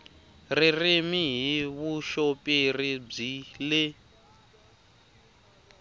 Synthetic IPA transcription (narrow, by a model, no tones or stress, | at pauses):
ririmiɦiβuʃopʼirib͡ʐile